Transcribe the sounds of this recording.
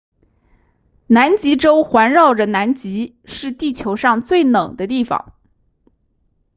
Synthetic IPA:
na˧˥nt͡ɕi˧˥ʈ͡ʂo˥ʊxwa˧˥nɻɑ˥˩ʊʈ͡ʂə˩na˧˥nt͡ɕi˧˥ | ʂɻ̩˥˧t̪i˥˩t͡ɕʰjo˧˥ʊʂɑ˥˧ŋt͡swe˥˩ɪnɤ˨˩ŋd̪ə˦t̪i˥˩fɑ̰˨˩˦ŋ

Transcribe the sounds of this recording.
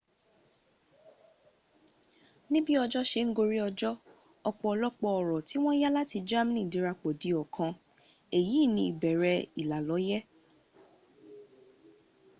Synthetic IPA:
nĩ˦bi˦ɔ˧d͡ʒɔ˦ʃe˧ŋ̩˦ɡo˧ɾi˦ɔ˧d͡ʒɔ˦ | ɔ˧k͡pɔ˧ɔ˧lɔ˦k͡pɔ˧ɔ˨ɾɔ˨ti˨˦w̃ɔ̃˦ja˦la˦ti˧d͡ʒa˦mĩ˦nĩ˦˨di˨˦ɾa˧k͡po˨di˨ɔ˨kʰã˧ | e˨ji˨˦˨nĩ˧i˨bɛ˨ɾɛ˧i˨la˨lɔ˨˦jɛ˦

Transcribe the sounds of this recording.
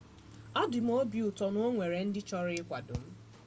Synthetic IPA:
a˦dʊ˨m̩˦o˦bi˨ʊ˨tɔ˨nʊ˦o˦ŋʷe˨ɾe˨n̩˦dɪ˦t͡ʃɔ˦ɾɪ˦kʷa˨do˨m̩˦

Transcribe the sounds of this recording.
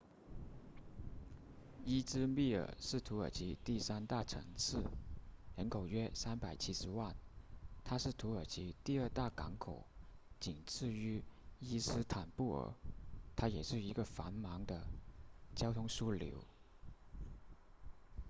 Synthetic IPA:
i˥t͡sɹ̩˥mi˥˩ə̰˨˩ʂɻ̩˥˩t̪ʰu˧˥ə̰˞˨˩t͡ɕʰi˧˥t̪i˥˩sa˥nt̪a˥˩ʈ͡ʂʰɤ̰˧˥ŋt͡sʰɹ̩˥˩ɻə˧˥nkʰo˨˩ʊɥɛ˥sa˥npa˨˩ɪt͡ɕʰi˥ʂɻ̩˧˥wa˥˩nt̪ʰa˥ʂɻ̩˥˩t̪ʰu˧˥ə˞˨˩t͡ɕʰi˧˥t̪i˥˧ə˞˥˧t̪a˥˩kɑ̰˧˥ŋkʰo˨˩˦ʊt͡ɕi˨˩ŋt͡sʰɹ̩˥˩y˥i˥sɹ̩˥t̪ʰa˨˩npu˥˩ə̰˧˥t̪ʰa˥jɛ˨˩ʂɻ̩˥˩i˧˥ɡə˧fa˧˥nmɑ˧˥ŋd̪ə˧t͡ɕjɑ˥ʊt̪ʰʊ˥ŋʂu˥ljo̰˧˥ʊ

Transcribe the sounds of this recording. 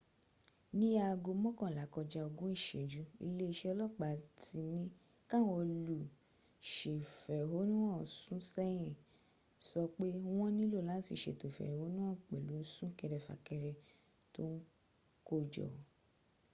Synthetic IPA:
nĩ˦ja˦˧ɡo˧mɔ̃˦kɔ̃˦˨la˨˦kɔ˧d͡ʒa˧o˧ɡũ˦i˦˨ʃe˨d͡ʒu˨˦ḭ˧le˦i˧ʃɛ˦ɔ˧lɔ˦k͡pa˨ti˧nĩ˦ | kã˦˨wo˧lu˨ | ʃe˨fɛ˨ɦo˨˦nũ˦ɔ̃˦˨sũ˦sɛ˦j̃ɛ̃˨ | sɔ˧k͡pe˦w̃ɔ̃˦nĩ˦lo˦˨lã˨˦sḭ˦˨ʃḛ˨to˨fɛ̰˨ho˨˦nũ˦ɔ̃˦˨k͡pɛ˨lu˨˦sũ˦kɛ˧ɾɛ˧fa̰˨kɛ˧ɾɛ˧ | to˦n̩˦ | ko˦˨d͡ʒɔ̰˨

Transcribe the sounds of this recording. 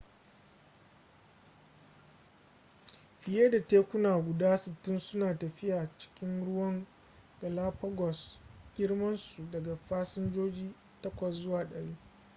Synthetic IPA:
ɸɪ˨je˦da˨teː˦kʷʊ˦naː˨ɡʷʊ˨daː˦sɪ˨tːɪ˦nsʊ˦naː˨tɐ˨ɸɪ˦jaː˨t͡ʃɪ̥˦kʲɪ˦nɽʊ˦wɐ˦ŋ | ɡ̥ɐ˨laː˦ɸɐ˦ɡɔ˨sɡ̥ʲɪ˦ɽmɐ˦nsu˨dɐ˨ɡa˨ɸaː˦sɪ˦nd͡ʒoː˦d͡ʒiː˦ | tɐ˦kʷɐ˨szʊ˦waː˨ɗɐ˨˦ɽiː˦

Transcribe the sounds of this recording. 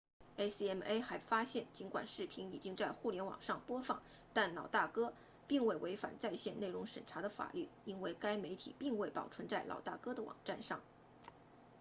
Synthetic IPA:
e˥ɪsi˥ɛ˥me˥ɪxa˧˥ɪfa˥ɕjɛ˥˩nt͡ɕi˧˥nkwa̰˨˩nʂɻ̩˥˩pʰi˧˥ŋi˨˩t͡ɕi˥ŋt͡sa˥˧ɪxu˥˩ljɛ˧˥nwɑ̰˨˩ŋʂɑ˥˩ŋpwɔ˥fɑ˥˩ŋ | t̪a˥˩nlɑ˨˩ʊt̪a˥˩kɤ˥ | pi˥˧ŋwe˥˩ɪwʔe˧˥ɪfa̰˨˩nt͡sa˥˧ɪɕjɛ˥˧nne˥˩ɻʊ˧˥ŋʂə̰˨˩nʈ͡ʂʰa˧˥d̪ə˧fa̰˨˩ly˥˩i˥nwe˥˩ɪka˥ɪme˧˥ɪt̪ʰḭ˨˩pi˥˧ŋwe˥˩ɪpɑ˨˩ʊʈ͡ʂʰwə˧˥nt͡sa˥˩ɪlʔɑ̰˨˩ʊt̪a˥˩kɤ˥d̪ə˨wɑ̰˨˩ŋʈ͡ʂa˥˧nʂɑ˥˩ŋ

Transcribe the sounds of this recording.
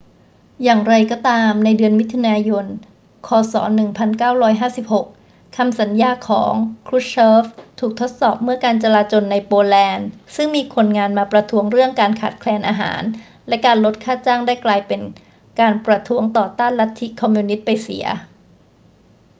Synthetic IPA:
jaː˨˩ŋɾa˧jkɔː˧˩t̪aː˧mna˧jdɯ˧ənmi˦˥t̪ʰːu˧naː˧jo˧n | kʰɔː˧sɔ̰ː˩˦nɯ˨˩ŋpʰa˧nkaː˥˩wɾɔː˦˥jɦaː˥˩si˨˩p̚ho˨˩k̚ | kʰa˧msa˩˦njaː˧˩kʰɔ̰ː˩˦ŋkʰɾu˦˥t̚sʰɤː˦˥ft̪ʰuː˨˩k̚t̪ʰo˦˥t̪̚sɔː˨˩p̚mɯ˥˩ɐkaː˧nt͡ɕa˧laː˧t͡ɕo˧nːa˧jpoː˧lɛː˧nsɯ˥˩ŋmiː˧kʰo˧nŋaː˧nmaː˧pɾa˧t̪ʰu˦˥əŋɾɯ˥˩əŋkaː˧nkʰaː˨˩t̪̚kʰlɛː˧nʔaː˧ɦa̰ː˩˦n | lɛ˦˥ʔkaː˧nlo˦˥t̪̚kʰaː˥˩t͡ɕaː˥˩ŋdaː˥˩jklaː˧jpe˧n | kaː˧npɾa˧t̪ʰu˦˥əŋt̪ɔː˨˩t̪aː˥˩nla˦˥t̪ʰːi˦˥kʰːɔ˧mjuː˧ni˦˥t̪̚pa˧jsḭ˩˦ɐ

